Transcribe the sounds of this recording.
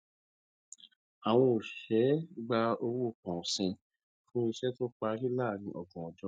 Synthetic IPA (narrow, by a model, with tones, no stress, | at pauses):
a˨w̃ɔ̃˧o˨ʃɛ˨˦ɡ͡ba˧o˧wu˦o˦˨k͡pɔ̃˨sɛ̃˨ | fũ˦i˧ʃɛ˦to˦k͡pa˧ɾi˦la˦˨nĩ˧˦ʔɔ˨ɡɔ̃˨ɔ˨d͡ʒɔ˧˦